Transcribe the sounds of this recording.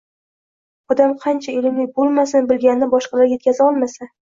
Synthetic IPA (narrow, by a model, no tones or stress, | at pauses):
ɒd̪amqʰɑnt͡ʃʰaelɪmlɪk̚ʲbolˠmasɪnbɪlɡʲanɪnɪbɒʃqɑlaɾjekʲʰazɪɒlˠmasa